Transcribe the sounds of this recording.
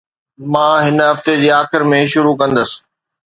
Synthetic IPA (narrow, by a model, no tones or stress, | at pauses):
mãːɦɪnəɦɐft̪ed͡ʑiːaːxɪɾmẽʃʊɾukɐ̃nd̪əsɪ̥̆